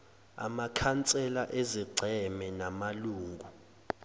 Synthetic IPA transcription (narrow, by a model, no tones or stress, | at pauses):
a̰makʰant͡sʼɛlaʔɛziɡ͡ǀʱɛmɛnamaluːŋɡʱu